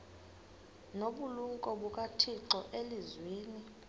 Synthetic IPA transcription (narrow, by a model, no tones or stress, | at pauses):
noɓuluŋkʼɔɓukʼatʰiǁɔʔelizweːni